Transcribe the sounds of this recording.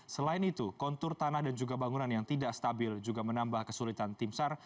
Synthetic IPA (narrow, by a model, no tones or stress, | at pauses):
səlaɪnit̪ukɔnt̪ʊrt̪anahdand͡ʒuɡabaŋunanjaŋt̪idaʔst̪abɪld͡ʒuɡamənambahkəsulit̪ant̪ɪmsar